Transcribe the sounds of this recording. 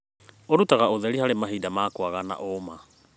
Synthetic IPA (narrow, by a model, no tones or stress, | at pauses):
oɾutaɣaoðɛɾihaɾemaɦidamaːkwaɣana̰ʔoma